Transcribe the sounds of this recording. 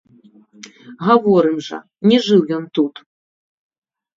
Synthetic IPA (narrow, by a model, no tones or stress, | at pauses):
ɣavɔɾɨmʐɐ̰ | nʲɛʐɨwjɔnt̪ut̪